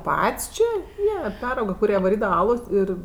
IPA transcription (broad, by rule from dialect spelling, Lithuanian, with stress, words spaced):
ˈpɐtʲsʲ ˈt͡ʃʲeː ˈjiɛ ˈpʲæːrɐʊɡɐ kʊˈrʲiɛ ʋɐˈrʲiːdɐʋɐ ˈɑːlˠoːs ˈɪr